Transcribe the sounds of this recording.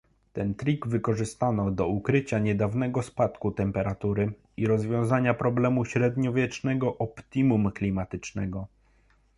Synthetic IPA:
t̪ɛnt̪ɾʲiɡvɘkɔʐɘst̪anɔd̪ɔukɾɘt͡ɕaɲɛd̪avn̪ɛɡɔspat̪kut̪ɛmpɛɾat̪uɾɘ | iɾɔzvʲjɔ̃w̃zaɲapɾɔblɛmuɕɾɛd̪ɲɔvʲjɛt͡ʂnɛɡɔʔɔpt̪imumklʲimat̪ɘt͡ʂnɛɡɔ

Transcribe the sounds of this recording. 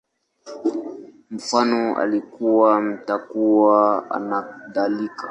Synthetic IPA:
m̩fanɔa̰likuwam̩takuwaa̰naðalikḁ

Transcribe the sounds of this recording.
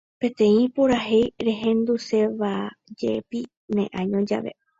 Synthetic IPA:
pẽ̞t̪ẽ̞ĩpoɾaɦejɾeɦẽ̞nd̪use̞ʋad͡ʒepi | nḛ̃ʔãɲõd͡ʒa̰ʋe̞̰

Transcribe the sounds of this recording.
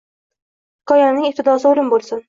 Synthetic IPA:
ɪkʰɒjanɪŋʲɪp̚t̪ɪd̪ɒsɪolɪmbolˠsʊn

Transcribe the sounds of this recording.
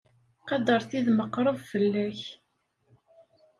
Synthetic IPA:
qɑd̪əɾˤθiðməqːɾˤəvfəlːæç

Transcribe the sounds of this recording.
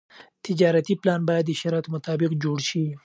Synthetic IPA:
t̪ɪd͡ʒɑɾat̪iplɑnbɑjad̪ːəʃaɾɑt̪mʊt̪ɑbɪqd͡ʒoɽʃi

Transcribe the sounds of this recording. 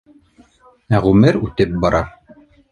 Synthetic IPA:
æʁʉmɘɾʉt̪ɘp̚bɑɾʔɑ

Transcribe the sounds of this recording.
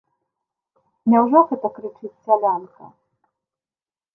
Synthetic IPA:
nʲawʐɔɣɛt̪ɐkɾɨt͡ʂɨt͡sʲsʲalʲankɐ

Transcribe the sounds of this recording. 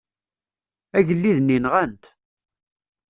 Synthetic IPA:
æʝəlːiðnːinʁænt̪

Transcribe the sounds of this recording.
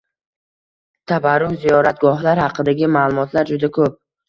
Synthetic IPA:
t̪ʰabaɾʊwzijɒɾat̪̚ɡɒhlaɾhɑqʰɨd̪aɡʲɪmaːlˠʊmɒt̪ʰlaɾd͡ʒʊd̪akʰɵp̚

